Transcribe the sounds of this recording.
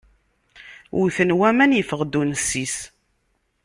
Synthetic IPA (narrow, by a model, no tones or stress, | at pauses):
ʔuθənwæmænjəfəʁd̪unəsːis